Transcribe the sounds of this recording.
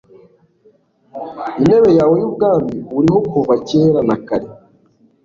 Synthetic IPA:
ine̞βe̞jaːwojubɡaːmbiwuɾiɦo̞kuβaceːɾanakaɾe

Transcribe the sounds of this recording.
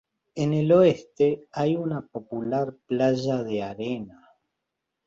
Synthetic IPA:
enelo̞est̪eajunapo̞pulaɾplaʒaðeaɾena

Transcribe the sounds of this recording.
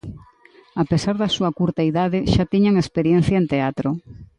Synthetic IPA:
apesaɾðɐsuɐkuɾt̪aiðaðɪʃat̪iɲaŋespeɾjen̟θjɐent̪eat̪ɾo

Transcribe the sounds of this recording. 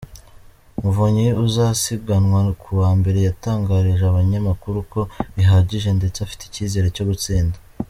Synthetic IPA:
muvoɲiuzasib̚ɡanwakʰuwaːmbe̞ɾe̞jataːŋɡaɾiʒeaβaɲamakuɾuko̞βiɦaɟiʒe̞nde̞t͡safi̥ti̥ciːze̞ɾeco̞ɡut͡siːnda

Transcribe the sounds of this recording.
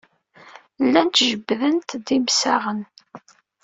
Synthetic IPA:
lːænt̪ʒəbːðənt̪d̪imsaʁən

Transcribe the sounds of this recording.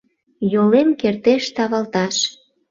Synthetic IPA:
jolemkert̪eʃt̪ɑβɑlt̪ɑʃ

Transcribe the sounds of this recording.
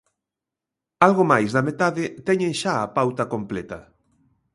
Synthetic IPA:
alɣomajzðɐmet̪aðɪt̪ɛɲẽŋʃaːpawt̪ɐkomplɛt̪ɐ

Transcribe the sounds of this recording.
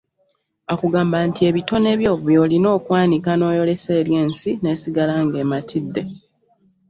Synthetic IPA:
akuɡaːmbaːntie̞βito̞ne̞βjo̞ːβjo̞ːlino̞ːkwaːnikano̞ːjo̞le̞seːlje̞ːnsine̞ːsiɡalaŋɡe̞ːmatʰidːe̞

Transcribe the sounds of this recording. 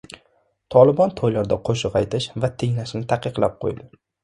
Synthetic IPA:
t̪ʰɒlˠɪbɒnt̪ʰojlaɾd̪aqʰoʃɨqɑjt̪ʰɪʃvat̪ʰeŋlaʃnɪt̪ʰaqʰɨqlˠa̰p̚qʰo̰jd̪ɪ

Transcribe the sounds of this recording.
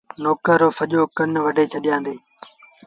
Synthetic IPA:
noːkəːoːfəʄoːkənʋəɖʱeːt͡ʃʰəɗɪjãːnd̪eː

